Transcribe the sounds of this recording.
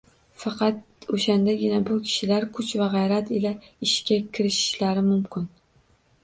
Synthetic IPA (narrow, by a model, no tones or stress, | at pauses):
fɑqʰɑt̪̚oʃand̪aɡʲɪnabʊkʲʰɪ̥ʃɪlaɾkʰʊt͡ʃvaʁɑjɾat̪ɪlaɪʃkʲakʲʰɪɾɪʃɪ̥ʃlaɾɪmʊmkʰʲɪn